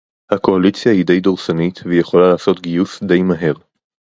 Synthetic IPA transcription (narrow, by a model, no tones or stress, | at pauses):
hako̞alit͡sjahid̪e̞jdoʁsanit̪vejeχo̞lalaːso̞t̪ɡijusde̞jmaɦe̞ʁ